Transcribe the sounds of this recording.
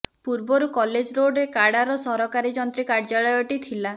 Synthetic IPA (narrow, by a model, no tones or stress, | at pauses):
puɾbɔɾukɔled͡ʒɾoɖekaɽaɾɔsɔɾɔkaɾid͡ʒɔnt̪ɾikaɾd͡ʒaɭɔjɔʈit̪ʰila